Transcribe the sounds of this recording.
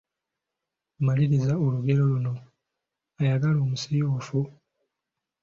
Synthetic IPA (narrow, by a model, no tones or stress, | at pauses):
umaliɾizaoluɡe̞ɾo̞luno̞ | ajaɡalo̞ːmusijoːfu